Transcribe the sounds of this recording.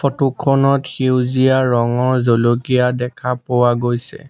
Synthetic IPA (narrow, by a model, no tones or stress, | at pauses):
fɔtukʰɔnɔtxiwzijaɹɔŋɔɹzolokijadɛkʰapowaɡojsɛ̰